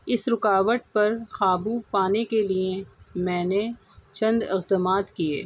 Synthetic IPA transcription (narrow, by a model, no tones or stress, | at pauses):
ɪsɾʊkaːʋəʈ̚pɐɾxaːbupaːnekeliemɛ̃ːne | t͡ʃɐ̃nd̪ɪqd̪əmaːt̪kiḛː